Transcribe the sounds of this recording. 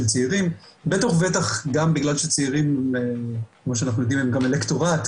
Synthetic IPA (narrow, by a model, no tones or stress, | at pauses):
lt͡seiʁimbet̪oχve̞taχɡambiɡlalʃet͡seiʁimekmoʃeanaχnujod̪imemɡamelekto̞ʁat̪